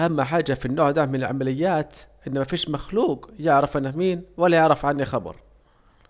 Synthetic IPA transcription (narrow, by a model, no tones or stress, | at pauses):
ʔamːaħaːd͡ʒafinːoːʕd̪amɪnɪlʕamalɪjːaːt̪ʔɪnːamafiːʃmaxluːqjɪʕɾɪfʔanːamiːnwalːajɪʕɾɑfʕanːixɑbɑ̰ɾˤ